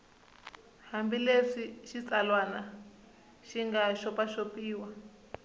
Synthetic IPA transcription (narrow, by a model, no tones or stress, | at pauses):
hambileʂiʃit͡salwana | ʃiŋɡaʃɔpaʃopiːwa